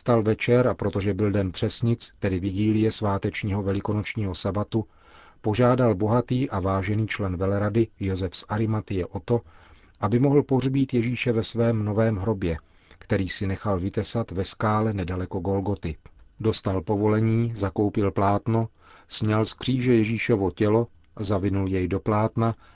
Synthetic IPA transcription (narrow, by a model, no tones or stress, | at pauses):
st̪alvɛt͡ʃɛɾapɾo̞t̪o̞ʒɛbɪldɛnpr̝̥ɛsɲɪt͡st̪ɛdɪvɪɡiːlɪjɛsvaːt̪ɛt͡ʃɲiːɦovɛlɪko̞not͡ʃɲiːɦo̞sabat̪u | po̞ʒaːdalbo̞ɦat̪iːʔavaːʒɛniːt͡ʃlɛnvɛlɛɾadɪjozɛfsʔaɾɪmat̪ɪjɛʔo̞t̪o̞ | ʔabɪmoɦl̩po̞rbiːt̪jɛʒiːʃɛvɛsvɛːmno̞vɛːmɦɾo̞bjɛ | kt̪ɛɾiːsɪnɛxalvɪt̪ɛsat̪vɛskaːlɛnɛdalɛko̞ɡo̞lɡo̞t̪ɪdo̞st̪alpo̞vo̞lɛɲiːzako̞wpɪlplaːt̪no | sɲalskr̥iːʒɛjɛʒiːʃovo̞cɛlo̞ | zavɪnuljɛjdo̞plaːt̪na